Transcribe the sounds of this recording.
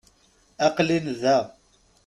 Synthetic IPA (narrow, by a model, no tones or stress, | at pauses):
aqlinðæ